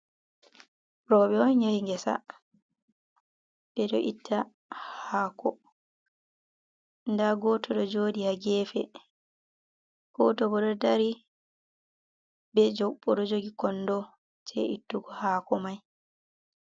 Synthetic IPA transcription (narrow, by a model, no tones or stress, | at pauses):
ɾɔɓɛɔnɲaɾiŋɡɛsa̰ | ɓɛɗɔʔitʰːa | haːkɔ | ndaɡɔtʰɔɗɔd͡ʒoːdihaɡɛːfɛ̰ | kɔtɔbɔɗɔdaɾi | bɛd͡ʒɔɓːɔɗɔd͡ʒoɡikɔnːdɔ | tʰɛ̰ʔitːuɡɔhaːkɔmaj